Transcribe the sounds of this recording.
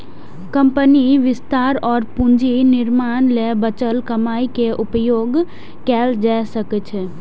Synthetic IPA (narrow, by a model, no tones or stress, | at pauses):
kə̃mpəniʋɪst̪aːɾɔːɾpʊ̃ɲd͡ʒinɪɾmaːnlɛːbət͡ʃəlkəmaːikeʔʊpjoːɡ | kɛːld͡ʒɛːsəkt͡ʃʰ